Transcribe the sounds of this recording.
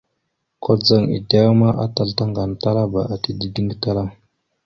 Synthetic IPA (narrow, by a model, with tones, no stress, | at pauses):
kʰo˦d͡za˨ŋḭ˨da˦ma˦ʔa̰˦ta˨lta˦ŋɡa˨n˨ta˦ɾa˦ba˨ʔa˨ti˦di˦di˦ŋɡta˦ɾa˦